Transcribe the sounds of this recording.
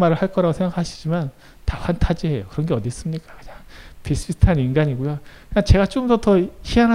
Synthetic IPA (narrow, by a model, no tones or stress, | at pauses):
maɾɯɭhaɭk͈ʌɾaɡosʰe̞ŋɡakʰaɕʰi̥d͡ʑiman | taɸwantʰad͡ʑiɦe̞jokɯɾʌnɡe̞ʌdis͈ɯmɲik͈ḁkɯ̥ɲaŋpis͈ɯisʰtʰaninɡaɲiɡojokɯnat͡ɕe̞ɡat͡ɕ͈omdʌtʌçiana